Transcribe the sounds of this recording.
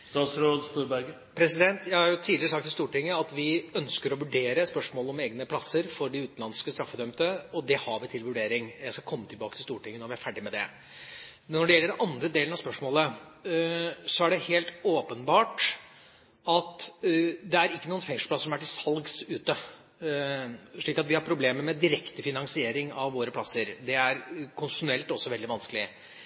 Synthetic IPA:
st̪ɑːt̪sɾoːd̪st̪uːɾbæɡə | pʰɾɛsɪd̪ɛnt̪jæɪhɑɾjʊt̪ʰiːd̪lɪɾəsɑkt̪ʰːɪlst̪uːʈɪŋːəɑt̪ʋɪœnskəɾɔʋʉɖeːɾəspœʂmoːləɔmeːɡnəpʰlɑsːəɾfɔɖɪʉːt̪nlɑnskəst̪ɾɑfːəd̪œmt̪əɔd̪ɛhɑɾʋɪt̪ʰɪlʋʉɖeːɾɪŋjæɪskɑkʰɔmːət̪ʰɪlbɑːkət̪ʰɪlst̪uːʈɪŋːənɔɾʋɪæɾfæɖɪmɛd̪ɛ̰ | nːɔɖɛjɛlːəɖɛnʔɑnd̪ɾəd̪eːlnɑspœʂmoːlə | sɔæɖɛheːlt̪oːpənbɑːʈ | ɑt̪ | d̪ɛæɾɪkːənuːənfɛŋʂl̩pʰlɑsːəʂɔmæʈːɪsɑlɡsʉːt̪ə | ʂɭiːkɑt̪ʋɪhɑɾpʰɾʊbleːməmɛd̪ɪɾɛkt̪əfɪnɑŋsɪeːɾɪŋɑʋʋoːɾəpʰlɑsːəɾd̪ɛæɾkʰʊnsɪʂʊnɛlt̪ɔsːɔʋɛld̪ɪʋɑnskəlɪ

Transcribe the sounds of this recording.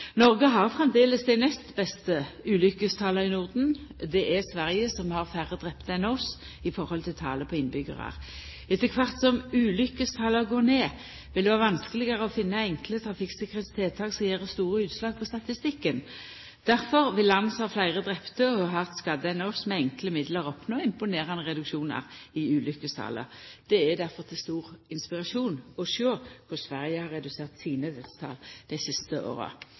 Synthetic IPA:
nɔʁɡəɦɑʁfʁɛmd̪eːləsd̪æɪnɛst̪bɛst̪əʉːlʏkəst̪ʰɑːləʁɪnʊʁd̪n̩d̪ɛʔɛsʋæʁjəsɔmhɑʁfæʁəd̪ʁɛpt̪əɛnɔs | ɪfɔʁhɔlt̪ʰɪlt̪ʰɑ̰ːləpʰɔɪnbʏɡə̰ʁɑ̰ʁ | ɛt̪ːəkʰʋɑʁt̪sɔmʉːlʏkːəst̪ʰɑːləʁɡoːneː | ʋɪld̪ɛʋɑːʁʋɑnskəlɪɡəʁəɔfɪnːəɛŋklət̪ʰʁɑfɪksɛkəʁɛt̪st̪ʰeːt̪ʰɑːɡsɔjeːʁd̪əst̪uːʁəʉːt̪slɑːɡ̚pʰɔst̪ɑt̪ɪst̪ɪkːən | d̪̥æʁfɔʁʋɪlːɑnːəshɑːflæɪʁəd̪ʁɛpt̪əɔɦɑʁt̪skɑd̪əɛnɔsmɛɛŋkləmɪd̪ləʁɔpnoːɪmpʊneːʁɑnəʁɛd̪ʉkʃuːnɑ̰ʁɪʉːlʏkəst̪ʰɑ̰ːlə̰ʁd̪̥ɛæd̪æʁfɔʁt̪ʰɪlst̪uːʁɪnspɪʁɑʂuːnɔʃøːkʰʊsʋæʁjəhɑʁɛd̪ʉseːʁt̪siːnəd̪ɛst̪ʰɑ̰ːld̪̥æɪsɪst̪əʔo̰ːʁə̰

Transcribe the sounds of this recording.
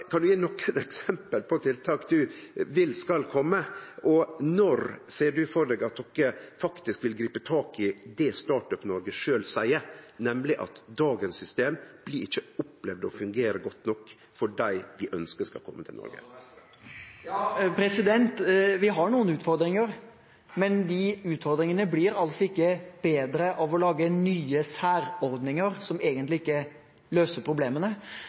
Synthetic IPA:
kʰɑnd̪ʉjiːnɔkʰːənɛksɛmpəlpʰɔt̪ʰɪlt̪ʰɑːkd̪ʉʋɪlskɑlkʰɔmːəʔɔnɔɾsæːɖʉfɔɾɖɖɛːɡɑt̪̚d̪ɔkːəfɑkt̪ɪskʋɪlɡɾiːpət̪ʰɑːkɪd̪ɛst̪ɑːʈœpnɔɾɡəʂøːlsæɪəɾnɛmlɪʔɑ̰t̪d̪ɑːɡənsʏst̪eːmb̥lɪɪçːəʊplɛʋd̪ɔ̰fʉŋɡeːɾəɡɔt̪ːnɔkː | fɔɖæɪʋɪʔœnskəskɑ̰kʰɔmːət̪ʰɪlnɔ̰ɾɡə̰ | jɑːpʰɾɛsɪd̪ɛnt̪ʋɪɦɑɳuːənʉːt̪fɔɾd̪ɾɪŋəɾ | mɛnd̪ɪʉːt̪fɔɾd̪ɾɪŋənəblɪɾɑlsɔɪkːəb̥eːd̪ɾəʔɑʋɔlɑːɡənyːəsæːɾɔɾd̪nɪŋəɾsɔmeːɡənt̪lɪɪkːə | løːsəɾpʰɾʊbleːmənə

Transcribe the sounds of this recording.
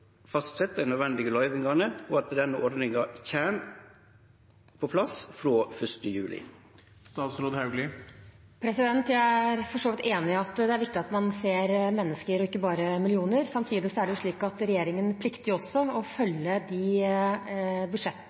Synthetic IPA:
fɑst̪sɛt̪ːəd̪æɪnœd̪ʋɛnd̪ɪɡəlɑɪʋɪŋɑnəɔɑt̪d̪ɛnːəʔɔɾd̪nɪŋɑçeːm | pʰɔpʰlɑsfɾoːfœʂʈəjʉːlɪ̰ | st̪ɑːt̪sɾoːd̪hɑʉɡlɪ | pʰɾɛsɪd̪ɛnt̪jææɾfɔʂoːʋɪt̪eːnɪɑt̪d̪ɛæɾʋɪk̚t̪ɪɑt̪mɑnseːɾmɛnːəskəɾɔɪkːəbɑːɾəmɪlɪuːnəɾsɑmt̪ʰiːd̪ɪsɔæɖɛjʊʂɭiːkɑt̪ɾɛjeːɾɪŋənpʰlɪkt̪ɪɔsːɔɔfœlːəd̪i | bʉd̪ʂɛt̪ː

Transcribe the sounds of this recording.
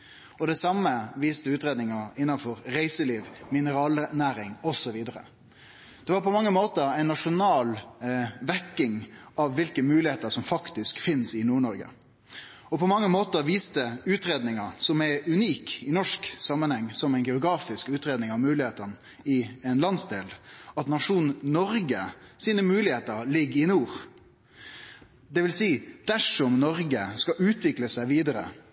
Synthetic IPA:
ɔd̪ɛsɑmːəʋiːst̪əʉːt̪ɾeːd̪nɪŋɑɪnːɑnfɔɾɾæɪsəliːʋmɪnəɾɑːlənæːɾɪŋɔsɔʋiːd̪əɾə̰ | d̪̥ɛʋɑːɾpɔmɑŋːəmoːt̪əɾæɪnnɑʂʊnɑːl | ʋækːɪŋɑʋːɪlkəmʉːlɪheːt̪əsɔmfɑkt̪ɪskfɪnsɪnuːɳɔɾɡə̰ | ɔpʰɔmɑŋːəmoːt̪əɾʋiːst̪əʉːt̪ɾeːd̪nɪŋɑsɔmæʉniːkɪnɔʂksɑmːənhɛŋːsɔmæɪnɡɛʊɡɾɑːfɪskʉːt̪ɾeːd̪nɪŋɑʋmʉːlɪheːt̪ən | ɪɛnlɑnsd̪eːlɑt̪nɑʂuːnnɔɾɡəsiːnəmʉːlɪheːt̪əɾlɪɡɪnuːɾ | d̪ɛʋɪlsiːd̪̥æʂɔmnɔɾɡəskɑʔʉːt̪ʋɪkləsæɪʋiːd̪əɾə̰

